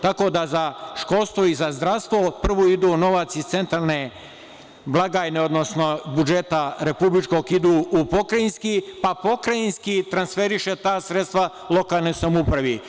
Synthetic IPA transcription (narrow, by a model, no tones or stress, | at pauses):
t̪ako̞d̪azaʃko̞lˠst̪ʋoizazd̪ɾast̪ʋo̞pr̩ʋoid̪uːno̞ʋat̪sist̪se̞nt̪ɾalˠne | blˠaɡaːjne̞o̞d̪no̞sno̞bud͡ʒet̪aɾe̞publit͡ʃko̞ɡid̪uːupo̞kɾainskipapo̞kɾainskit̪ɾansfe̞ɾiʃe̞t̪aːsɾet̪st̪ʋa | lˠo̞kaːlˠnesamupɾaʋi